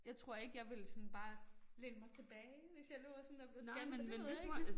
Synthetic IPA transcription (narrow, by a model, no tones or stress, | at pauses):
jɑ̈ɪt͡sʰʁo̝ɐ̰e̝ɡ̥əjɑ̈ɪʋe̝lsɔ̽nb̥ɑ̈ːleɡ̥əmɑ̈ɪt͡sʰe̝b̥ɛːɪʋe̝sjɑ̈loɐsɔnd̥ɑb̥memeis